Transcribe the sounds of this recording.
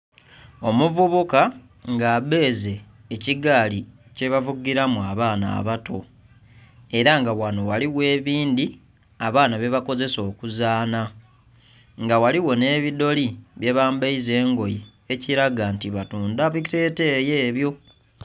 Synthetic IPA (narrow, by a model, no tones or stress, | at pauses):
o̞muvuβuka | ŋɡaːβe̞ːze̞ː | ciɡaːli | ce̞βavuɡiɾamuaβaːna̰ːβato̞ | e̞ɾaŋɡawano̞waliwe̞ːβiːnd̪i | aβaːnaβe̞βako̞ze̞so̞ːkuzaːna | ŋɡawaliwo̞ne̞ːβido̞liβje̞βaːmbeize̞ːŋɡo̞ji | eciɾaɡantiβatuːndaβite̞ːte̞je̞ːβjo̞